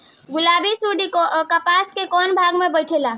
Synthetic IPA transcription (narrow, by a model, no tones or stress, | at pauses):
ɡulabʱisuɖikkəpaskekɔnbʱaɡmebəjʈʰela